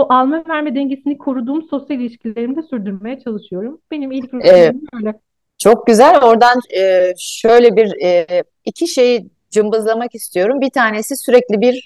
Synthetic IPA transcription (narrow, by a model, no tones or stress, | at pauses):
oʔalˠmavæɾmɛd̪ɛɲɟesinikʰoɾud̪uːmso̞sjalʲilʲiʃcilʲeɾimd̪ɛsyɾd̪yɾme̞jɛt͡ʃʰalˠɯʃɯjo̞ɾumb̥e̞nimilʲcʲɛɛøjlʲɛ | t͡ʃʰo̞k̚ɟyzælʲo̞ɾd̪anɯːʃø̞jlʲɛbiɾɛː | icʰiʃe̞ji | d͡ʒɯmbɯzlˠamakist̪ʰijo̞ɾumbit̪ʰaːnesisyɾɛclʲibiɾ